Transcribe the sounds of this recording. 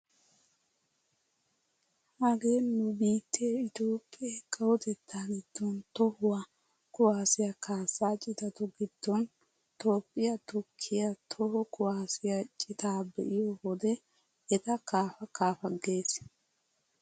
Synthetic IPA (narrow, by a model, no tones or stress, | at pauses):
hɐɡe̞ːnːʊbiːt̪ʰːeɪt̪oːpʼːɪeːkʰʼɐwɔt̪ɛt̪ʰːaːɡɪd̪̥ːɔnt̪ɔhʊwɐ | kʊwaːsɪjɐkʰaːsaːt͡ʃʼɪt̪ɐt̪ɔɡɪd̪̥ːɔn | t̪oːpʼːɪjɐt̪ʊkʰːɪjɐt̪ʰɔhɔkʊwaːsɪjɐt͡ʃʼɪt̪aːbɛ̰ʔɪjɔhɔd̪ɛ | ɛt̪ɐkaːfɐkʰaːfɐɡe̞ːs